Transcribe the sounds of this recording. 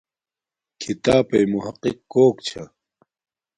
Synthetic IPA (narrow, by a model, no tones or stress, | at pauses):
kʰit̪aːpɐjmuɦɐqːikːoːkt͡ɕʰa